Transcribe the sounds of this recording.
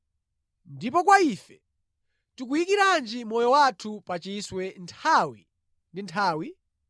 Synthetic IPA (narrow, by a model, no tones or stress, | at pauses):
ndipɔkwaiːfɛ | tuk̬ujikiɾand͡ʒimɔjɔwatʰupat͡ʃiiswɛntʰaːwi | ndintʰaːwi